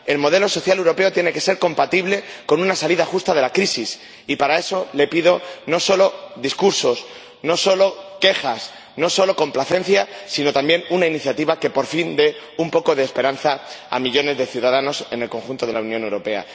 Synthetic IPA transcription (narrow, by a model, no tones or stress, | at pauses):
e̞lmo̞ðe̞lo̞so̞θjale̞wɾo̞pe̞o̞t̪je̞ne̞ke̞se̞ɾko̞mpat̪iβle̞ko̞nũnasaliðaxust̪að̞e̞lakɾisis | ipaɾae̞so̞le̞piðo̞no̞so̞lo̞ðiskuɾso̞s | noso̞lo̞ke̞xas | no̞so̞lo̞ko̞mplaθẽ̞nθjasino̞t̪ambje̞nunainiθjat̪iβake̞po̞ɾfind̪e̞ | umpo̞ko̞ðe̞ːspe̞ɾanθaa̰miʎo̞ne̞zðe̞θjuðaðano̞se̞ne̞lko̞ŋxunt̪o̞ð̞e̞launjõne̞wɾo̞pe̞a̰